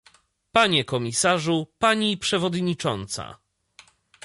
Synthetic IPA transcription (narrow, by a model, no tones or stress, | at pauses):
paɲɛkɔmʲisaʐupaɲipʂɛvɔd̪ɲit͡ʂɔnt̪sa̰